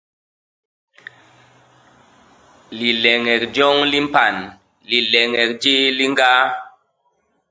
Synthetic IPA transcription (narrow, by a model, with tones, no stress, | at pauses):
li˨lɛ˨ŋɛ˨kd͡ʒɔ˦ŋli˦m˦pa˨n | li˨lɛ˨ŋɛ˨k̚d͡ʒi˦li˦ŋɡa˦